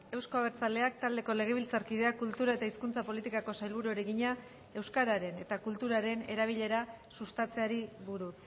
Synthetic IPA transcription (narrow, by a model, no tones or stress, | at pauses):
e̞wsko̞aβeɾt͡sale̞ak̚t̪ald̪e̞ko̞le̞ɣ̞e̞β̞ilt͡saɾkið̞e̞akult̪uɾae̞t̪aiskunt͡sapo̞lit̪ikako̞sajlβ̞uɾueɾeɣiɲa | e̞wskaɾaɾe̞ne̞t̪akult̪uɾaɾe̞ne̞ɾaβ̞iʎe̞ɾa | sust̪at͡se̞aɾiβuɾus